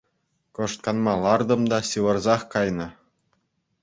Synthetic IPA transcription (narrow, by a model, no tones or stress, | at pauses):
kŏʂt̪̚kɑnmɑlˠɑrd̪ɤ̆md̪ɑɕɯʋɤ̆rzɑχkɑjnɤ̆